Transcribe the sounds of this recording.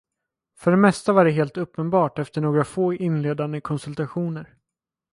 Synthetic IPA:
fœɖɛmɛst̪avaɖɛɦeːlt̪ɵpːənbɑːʈɛft̪əɳoːɡɾafoːʔɪnleːd̪and̪əkʰɔnsɵlt̪aɧuːnəɾ

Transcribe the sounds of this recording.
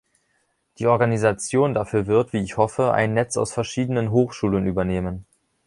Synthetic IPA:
d̥iːʔɔɐɡanizat͡sjoːndafyːɐvɪɐtv̥iːɪçhɔfəʔa̰ɪnːɛt͡sa̰ʊsfɛɐʃiːdənənɦoːxʃuːlənʔyːbɐneːmən

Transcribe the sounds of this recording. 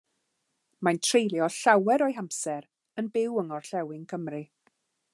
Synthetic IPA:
majntʰrejlˠjɔɬawɛɾɔjɦamsɛɾ | ənbɪwəŋɔrɬɛwɪŋkʰəmrɨ

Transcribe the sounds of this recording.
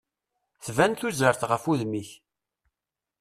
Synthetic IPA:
θvænt̪uzəɾθʁəfuðmiç

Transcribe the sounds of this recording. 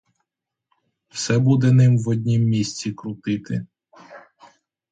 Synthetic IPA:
wsɛbud̪ɛnɪmwɔd̪ʲnʲimːʲisʲt͡sʲikɾʊt̪ɪt̪ɪ

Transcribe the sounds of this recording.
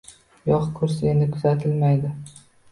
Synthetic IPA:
jɒqkʰɵɾs̬ɪenɪkʰʊz̥at̪ʰɪlmajd̪ɪ

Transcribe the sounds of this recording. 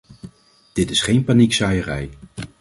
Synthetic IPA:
d̥ɪtɪsχejnpaniksajərɛ̰j

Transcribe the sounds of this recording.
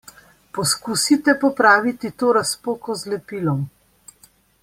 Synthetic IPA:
pɔskusit̪ɛpɔpɾaːʋit̪it̪oːɾaspoːkɔzlɛpiːlɔm

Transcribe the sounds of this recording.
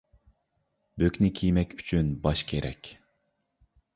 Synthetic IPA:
bøkʲnɪkʲʰijmɛkʲy̥t͡ʃʰynbɑʃkʲʰeɾɛkʲ

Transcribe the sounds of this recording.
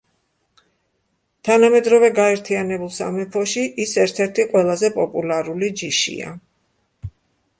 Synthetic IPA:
t̪ʰanamɛd̪ɾɔvɛɡaɛɾt̪ʰianɛbulˠsa̰mɛpʰɔʃiʔisɛɾt̪ʰɛɾt̪ʰiqʼwɛlˠazɛpʼɔpʼulaɾulid͡ʒiʃḭa̰

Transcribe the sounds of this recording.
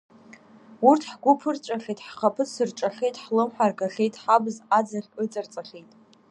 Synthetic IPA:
urtʰħɡʷʊpʰɨrt͡ʃʷʼaχʲejtʼħχapʰɨsɨrʈ͡ʂʼaχʲe̞jtʼħlɨmħʷarɡaχʲejtʼħabɨzad͡zaχʲət͡sʼart͡sʼaχʲejtʼ

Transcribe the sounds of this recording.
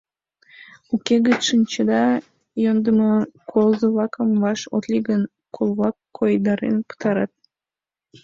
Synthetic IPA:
ukeɡət̪ʃɨnʲt͡ɕəd̪ɑ | jond̪əmɑkʰolzəβɑkəmvɑʃo̰t̪lʲiɡən | kʰolˠβɑkːojd̪ɑɾḛnpə̥t̪ɑɾɑt̪̚

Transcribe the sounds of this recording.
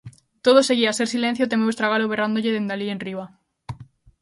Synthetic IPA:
t̪oðose̞ɣiaseɾsilen̟θjot̪emeost̪ɾaɣ̞aloβerand̪oʎeðend̪alienriβa

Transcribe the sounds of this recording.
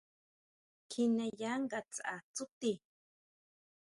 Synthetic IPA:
kʰinajaŋɢat͡sa̰t͡sʊt̪i

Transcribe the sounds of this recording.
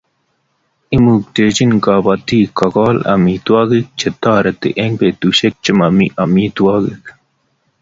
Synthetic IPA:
imuːk̚ʈ̪eːd͡ʑinkaːbɐt̪iːkɐkɑːlɐ̰miːt̪uwaːɡik̚t͡ɕet̪aːɾɐt̪ḛʔeŋɡbeːt̪uɕek̚t͡ɕimɐmiʔɐmiːt̪uwaːɡik

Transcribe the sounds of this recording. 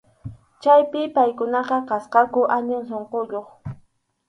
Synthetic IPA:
t͡ʃajpɪpajkʊnɑqɑqɑsqɑkʊʔaɲʊŋs̬oɴqoʎoχ

